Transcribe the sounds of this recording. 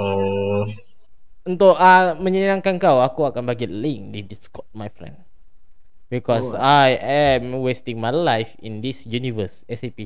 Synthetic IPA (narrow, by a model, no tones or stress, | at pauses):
o | unt̪ʊʔamə̃ɲənãŋkankawakuakanbaɡilĩŋdediskɔt̚majfɾɛ̰̃nd | bikɔsajɛmwestĩŋmajlajfḭ̃nd̪isjunivəsɛsepi